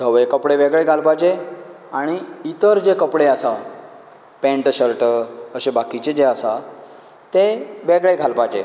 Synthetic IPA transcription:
d̪ʱəʋekəpɽeʋeɡɭeɡʱalpad͡ʑe | aɽ̃iːt̪əɾd͡ʑekəpɽeəsa | pẽɳʈɕəɾʈəɕebakit͡ɕed͡ʑeasa | t̪eʋeɡɭeɡʱalpad͡ʑe

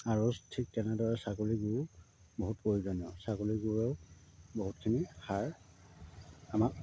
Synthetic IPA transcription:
aɹostʰik̚tɛnɛdɔɹɛsakoɹiɡuʊ | boɦut̚pojizɔnɔsakoɹiɡuɹɛʊboɦutkʰinixaɹ | amak

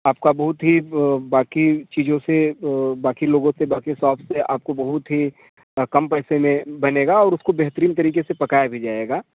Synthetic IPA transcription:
aːp̚kabɐɦʊt̪ɦibaːkit͡ʃiːd͡ʒõsebaːkiloːɡõsebaːkisɔːpʰseʔa̰ːp̚kobɐɦʊt̪ɦi | kɐmpɛːsemẽbɐneːɡaɔːɾʊskobɛɦt̪ɾiːnt̪ɐɾiːkesepɐkaːjabʱid͡ʒaːeːɡaː

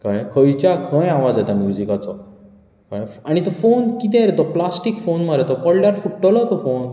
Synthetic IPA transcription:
kajkʰəjt͡ɕakʰə̃jaʋad͡zat̪anuɾd͡ʑikat͡sɔ | kajaɽ̃it̪ɔfonkit̪̬ɛ̃ɾet̪ɔplasʈikfonmaɾet̪ɔpəɽɖjaɾfuʈːəlɔt̪ɔfon

